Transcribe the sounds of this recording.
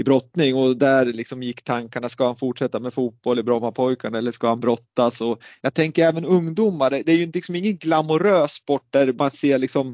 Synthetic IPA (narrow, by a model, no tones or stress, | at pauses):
ɪbɾɔt̪nɪŋːɔd̪æɾlɪksɔmjɪkːt̪ʰaŋkaɳaskahanfuʈʂɛt̪ːamɛfuːt̪̚b̥ɔlːɪbɾɔmːapʰɔjkʰaɳaɛlːəʂkahanbɾɔt̪ːasɔjɑɡt̪ʰɛŋkəɾɛːvənɵŋd̪uːmaɖɛd̪ɛæɾjɵɪnt̪əlɪksɔmɪŋːənɡlamʊɾøːsːpɔʈ̚ːd̪æɾmanseːɭɪksɔm